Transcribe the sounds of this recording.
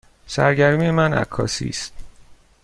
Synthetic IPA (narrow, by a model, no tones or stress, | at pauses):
sæ̰ɾɟæɾmijemænæ̰kʰːɒ̰ːsḭːst̪̚